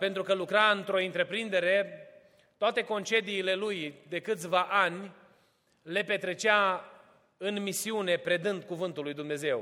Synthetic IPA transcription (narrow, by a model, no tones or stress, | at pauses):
pe̞nt̪ɾukəlukɾaɨnt̪ɾo̞int̪ɾe̞pɾind̪e̞ɾe̞ | t̪oat̪e̞ko̞nt͡ʃe̞d̪iːle̞lujd̪e̞kɨt̪sʲvaʔanʲ | le̞pe̞t̪ɾe̞t͡ʃa | ɨnmisiune̞pɾe̞d̪ɨnd̪̚kuvɨnt̪ulːujd̪umne̞ze̞w